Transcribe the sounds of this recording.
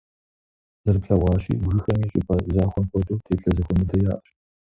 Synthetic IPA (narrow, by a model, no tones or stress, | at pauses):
zɐrpɬɐʁʷɑːɕḭːbɣɨxɐmiːɕʼɪ̰pʰɐzaːxʷɔnxʷɔduːtʰeːpɬɐzɨxʷɔmɨdɐjaːʔɐɕ